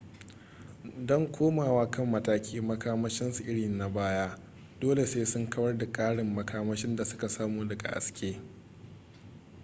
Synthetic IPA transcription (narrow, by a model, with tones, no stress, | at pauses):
dɔ˦ŋkʷʰoː˦maː˨waː˦kɐ˦˨mːɐ˦taː˦kʲʰiː˦mɐ˦kʰaː˦mɐ˦ʃɪ˦nsu˨ʔɪ˦ɽiː˨na˨baː˦jaː˦ | doː˦le˨seː˦sʊ˦ŋkɐ˦bɐ˦rda˨kʼaː˦ɽɪ˨mːɐ˨kʰaː˦mɐ˦ʃɪ˦nda˨sʊ̥˦ka˨saː˦muː˨dɐ˨ɡa̰˨ʔa̰˨skʲeː˦